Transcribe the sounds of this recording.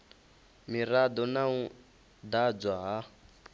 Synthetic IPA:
miɾad̪ɔnau | d̪ad͡zwaɦa

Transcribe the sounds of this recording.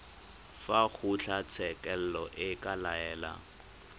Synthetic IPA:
faɣʊt͡ɬʰat͡sʰɛkʼɛl̩lɔʔɪkʼalaɛːla̰

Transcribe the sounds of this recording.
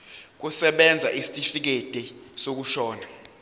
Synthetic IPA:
k̬usɛɓɛnd͡zʱaʔisi̥tʼifik̬ed̥ʱʼɛsok̬uʃɔːna

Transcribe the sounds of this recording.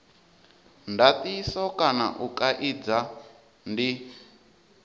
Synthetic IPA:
ndat̪isɔkʼana̰ʔukʼaʔid͡za | ndi

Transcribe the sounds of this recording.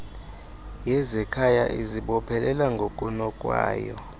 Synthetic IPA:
jɛzɛkʰajaʔiziɓɔpʰɛlɛlaŋɡʱokʼunɔkʼwa̰ːjɔ̰

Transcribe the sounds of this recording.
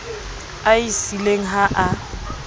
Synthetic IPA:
aisileŋ̩ɦaʔa

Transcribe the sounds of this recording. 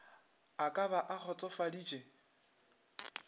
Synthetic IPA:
akʼaβaʔak͡xʰɔt͡sʼɔfadiːt͡ʃʼe

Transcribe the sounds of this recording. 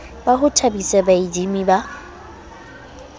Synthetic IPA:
baɦʊtʰabisɛbaid͡ʒimiba

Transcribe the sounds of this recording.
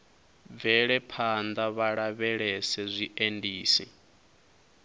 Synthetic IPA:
b̪vɛɺɛpʰand̪aβaɺaβɛɺɛsɛzʷiʔendiːsi

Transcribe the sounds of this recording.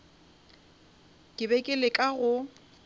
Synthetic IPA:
kʼɪbɛkʼɪlɪkʼaɣʊ

